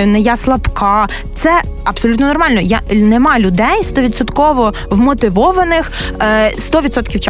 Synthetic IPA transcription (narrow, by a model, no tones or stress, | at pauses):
ʊnɛjaslˠɐpkɑ | t̪sɛ | ɐpsɔlʲut̪nɔnɔrmɑlʲnɔjanemɑlʲʊd̪ɛjst̪ɔʋʲit̪sɔt̪kɔʋɔ | wmɔt̪ɪʋɔʋɐnɪx | st̪ɔʋʲid̪sɔt̪kʲiwt͡ʃ